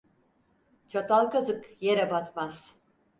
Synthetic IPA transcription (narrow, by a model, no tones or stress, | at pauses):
t͡ʃʰat̪alˠkazɯkjeɾabat̪maz̥